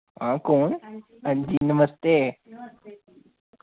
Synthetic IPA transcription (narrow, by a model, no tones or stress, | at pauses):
ɦãkoːɳ | ənd͡ʑinəməst̪e